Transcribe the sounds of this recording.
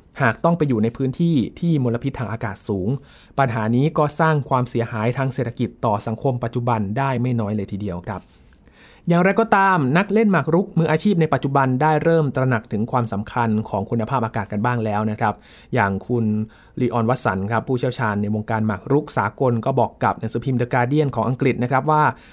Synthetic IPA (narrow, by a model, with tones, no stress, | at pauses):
haː˨˩k̚t̪ɔ˥˩ŋpa˧jːuː˨˩na˧jpʰɯː˦˥nt̪ʰiː˥˩t̪ʰiː˥˩mo˧la˧pʰi˦˥t̪ʰːaː˧ŋʔaː˧kaː˨˩t̪̚suː˩˦ŋ | pa˧nɦaː˩˦niː˦˥kɔː˥˩saː˥˩ŋkʰwaː˧msi˩˦ɐhaː˩˦jt̪ʰaː˧ŋseː˨˩t̪ʰːa˧ki˨˩t̪ːɔː˨˩sa˩˦ŋkʰo˧mpa˨˩t̪̚t͡ɕu˨˩ba˧ndaː˥˩jma˥˩jnɔː˦˥jlɤː˧jt̪ʰiː˧di˧əwkʰɾa˦˥p̚ | jaː˨˩ŋɾa˧jkɔː˥˩t̪aː˧mna˦˥k̚le˥˩nmaː˨˩k̚ɾu˦˥k̚mɯː˧ʔːt͡ɕʰiː˥˩p̚na˧jpa˨˩t̪̚t͡ɕu˨˩ba˧ndaː˥˩jɾɤː˥˩mt̪ɾa˧na˨˩k̚t̪ʰɯ˩˦ŋkʰwaː˧msa˩˦mkʰa˧nkʰɔː˩˦ŋkʰu˧nːa˧pʰaː˥˩p̚ʔaː˧kaː˨˩t̪̚ka˧nbaː˥˩ŋlɛː˦˥wna˦˥kʰɾa˦˥p̚ | jaː˨˩ŋkʰu˧n | liː˧ʔɔː˧nwa˦˥t̪̚sa̰˩˦nkʰɾa˦˥pʰːuː˥˩t͡ɕʰi˥˩əwt͡ɕʰaː˧nːa˧jwo˧ŋkaː˧nma˨˩k̚ɾu˦˥k̚saː˩˦ko˧nkɔː˥˩bɔː˨˩kːa˨˩p̚na˨˦ŋsɯː˩˦pʰi˧mdəː˧kaː˧di˥˩ənkʰɔː˩˦ŋʔa˧ŋkɾi˨˩na˦˥kʰɾa˦˥p̚waː˥˩